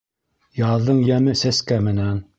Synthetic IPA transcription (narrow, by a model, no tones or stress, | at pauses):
jɑðːɤɴjæmɘsæskæmɘ̆næn